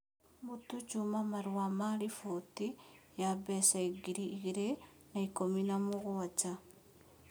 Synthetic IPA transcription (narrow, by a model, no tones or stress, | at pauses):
mutut͡ʃumamaɾwamaɾifoti | jabɛsaiɡiɾiːɣiɾe | naikominamoɣoat͡ʃa